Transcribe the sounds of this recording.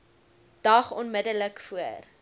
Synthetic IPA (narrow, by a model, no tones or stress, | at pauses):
d̥ɐχɔnmədələkfuər